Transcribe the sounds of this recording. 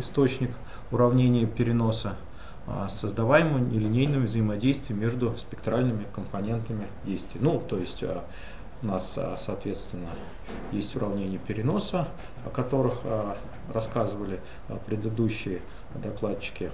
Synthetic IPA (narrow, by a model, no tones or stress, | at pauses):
ɪst̪o̞t͡ɕnʲɪk | ʊɾɐvnʲenʲɪjəpʲɪɾʲɪno̞sə | səzd̪ɐvajɪməjʊnʲɪlʲɪnʲejnɨjəvzəjɪmɐdʲejst̪vʲɪjəmʲe̞ʐd̪ʊspʲɪkt̪ɾalʲnɨmʲɪkəmpɐnʲe̞nt̪əmʲɪdʲejst̪vʲɪjnut̪o̞jɪsʲtʲə̰ | ʊnassɐːt̪vʲe̞t̪st̪vʲɪnːə | jesʲtʲʊɾʔɐvnʲenʲɪjəpʲɪɾʲɪno̞sə | ɐ̰kɐt̪o̞ɾɨx | rɐskazɨvəlʲɪ | pɾʲɪd̪ɨd̪uɕːɪjə | d̪ɐklˠat͡ɕːɪ̥kʲɪ